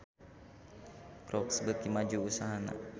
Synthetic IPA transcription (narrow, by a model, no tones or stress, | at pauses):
kɾɔksəbət̪̚imad͡ʒuusaɦana̰